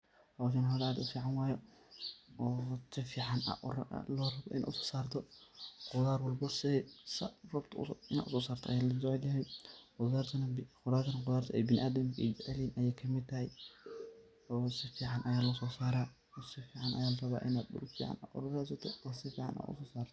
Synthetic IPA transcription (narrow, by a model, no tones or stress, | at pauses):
hɐwʃɐnɦɔlɛaːd̪ʊfiːʕɑnwaːjɔ | ɔːsɪfiːʕana̰ʔʊ̰ɾ̰lɔrɐbɔʔɪ̰na̰ʔ̪ʊsɔ̥ːsaːrt̪ʰɔqʊðaːɾwɔlbɐsɪsɐrʊbt̪ʰɐɪna̰d̪ʊ̰sɔːsaːrt̪ʰɔʔɐjaːlɐd͡ʒɔʕɛljɐɦɛjqʊðaːɾt̪ʰɐnɐqʊɾaːrt̪ʰɐnɐqʊðaːrt̪ʰɔɛjbɪnɪ̰ʔaːd̪ɐmkʰʔɛ̰d͡ʒɛʕliːnʔɐjɛːkʰɐmɪd̪̚t̪ʰːɐɦɛj | ɔːsɪfiːʕɑnʔɐjaːlɔsɔːsaːɾaː | ɔsɪfiːʕɑnʔɐ̰jaːlɐrɐβa̰ːʔɪnad̪ʊ̰fḭːʕa̰na̰ʔʊ̰ɾʊɾɛs̬ɔt̪ʰɔɔːsɪfiːʕɑ̰nɪ̰na̰d̪ʊ̰sɔːsaːrt̪ʰɔ̥